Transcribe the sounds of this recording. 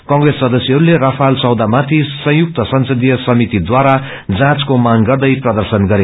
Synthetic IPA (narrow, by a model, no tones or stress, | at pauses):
kʌ̃ŋresːʌd̪ʌsjeɦʌɾulerʌpʰalt͡sʌwd̪amat̪ʰisʌ̃ɦjuk̚t̪ʌsʌnsʌd̪ijʌsʌmit̪id̪waɾa | d͡zãt͡skomaŋɡʌrd̪ʌjprʌd̪ʌrsʌnɡʌɾe